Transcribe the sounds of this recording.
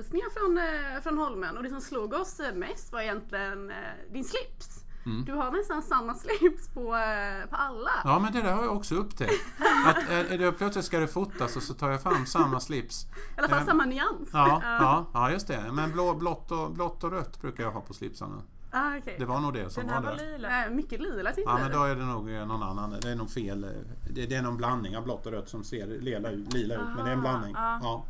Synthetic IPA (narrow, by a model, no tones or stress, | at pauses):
lsknɪŋaɾfɾɔnfɾɔnhɔlmənɔd̪ɛsɔmsluːɡɔsmɛst̪vaɾɛjɛnt̪ʰlɪɡən | d̪ɪnslɪps | md̪ɵɦaɾnɛst̪ansamːaslɪpspʰɔpʰɔalːajɑːmɛnd̪ɛd̪æɾhajaɔksɔɵpːt̪ʰɛat̪d̪ɛpʰlœt̪slɪt̪skad̪ɛfʊt̪ːasɔsɔt̪ʰɑːɾjafɾamːsamːaslɪpslasamːanʏansɑːɑːɑːjɵst̪ɛmɛnblɔblɔt̪ːɔblɔt̪ːɔɾœt̪ːbɾʉ̟ːkajaɦɑ̰ːpʰɔslɪ̰psa̰na̰ | d̪ɛvaɳuːɡ̚d̪ɛsɔmvad̪ɛmʏkːəliːlaɑmɛnd̪oæɖɛnuːɡnɔnanːand̪ɛɛnuːɡfeːl | d̪ɛd̪ɛːnɔnblanːnɪŋablɔt̪ːɔɾœt̪ːsɔmseːɾleːlaʉ̟ːt̪liːlaʉ̟ːt̪mɛnd̪ɛɾɛnblanːɪŋːɑː